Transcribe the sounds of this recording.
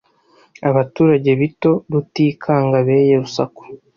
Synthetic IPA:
aβatuːɾaɟe̞βito̞ɾutiːkʰaːŋɡaβe̞ːje̞ɾusa̰ku̥

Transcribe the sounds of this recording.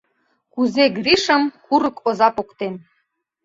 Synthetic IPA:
kuzeɡriʃə̆mkuɾɤ̆kʰozɑpokt̪en

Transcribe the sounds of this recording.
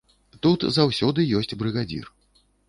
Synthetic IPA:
t̪ut̪zawsʲɔd̪ɨjɔsʲt͡sʲbɾɨɣad͡zʲḭr

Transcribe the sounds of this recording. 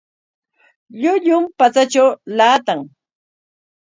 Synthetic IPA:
ʎʊʎʊmpat͡sat͡ʃawlaːt̪aŋ

